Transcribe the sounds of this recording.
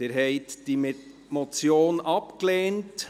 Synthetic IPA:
eɾɦɛɪtd̥im | mot͡sjoːnɑpkleːnt

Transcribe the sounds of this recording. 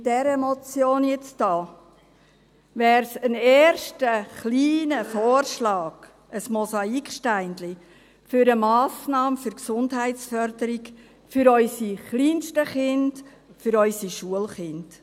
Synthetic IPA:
dɛɾəmɔt͡sjoːnjɛt͡sd̥ɑː | ʋɛːɾsənɛːɾʃtəχliːnəfoːrʃlɑːɡ̥ | əsmɔsɑikʃtæɪndli | fʏɾəmɑːsnɑːmfʏɾksʊndɦæɪtt͡sfœɾdəɾik | fʏɾœʏsiχliːnʃtəχɪnd̥ | fʏɾœʏsiʃuəlχɪnd̥

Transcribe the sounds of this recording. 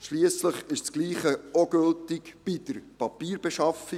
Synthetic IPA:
ʃliəsləχɪʃt͡skliːχəoɡɵltɪkb̥ɪd̥əɾpɑpiːɾb̥ɛʃɑfi

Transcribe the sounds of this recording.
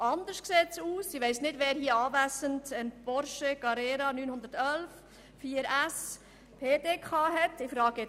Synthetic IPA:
ʔɑndəʃkseːtsuːsiʋɛɪsnɪdʋɛːɾhiəɑːvæsəntənb̥ɔɾʃəɡɑɾeːɾɑnyːnhʊnd̥̪əɾtœlf | fiːəɾæs | pʰeːdeːkʰχɑːɦɛtɪfɾɑːɡɛ

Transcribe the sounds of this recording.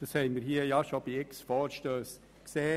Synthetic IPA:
d̥ɑshɛɪnməɾhiəjɑʃob̥iɪksfɔːɾʃtøːs | kseː

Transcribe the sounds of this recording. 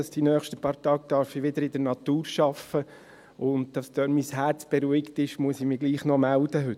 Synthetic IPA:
ɑsd̥inœːχʃtəpɑːɾt̪ɑːɡ̚d̥̪ɑɾfɪʋɪd̪əɾɪd̪ənɑt̪uːɾʃɑfə | ʊnd̪d̥ɑsd̥̪øːnmishæɾt͡sb̥eɾuɪktɪʃmuəsɪmɪɡliːχnɔmæld̥̪əɦʏt

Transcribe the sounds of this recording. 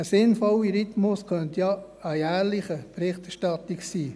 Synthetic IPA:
əsɪnfɔwiɾɪt̪mʊskʰœntjɑ | əjæːɾlɪχəb̥ɾɪχtɛʃtɑt̪ɪksiː

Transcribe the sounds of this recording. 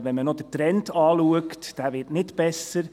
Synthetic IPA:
vɛnmənodətɾɛntʰɑːluəktd̥æːʋɪːtnɪtb̥ɛsəɾ

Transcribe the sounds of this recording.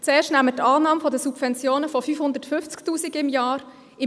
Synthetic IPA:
t͡sɛːʃtnæmətɑːnɑːmfɔdəsubvɛnt͡sjoːnəfɔfyːfhʊndətfʏft͡sktuːsiɡɪmjaːɾ | ɪ

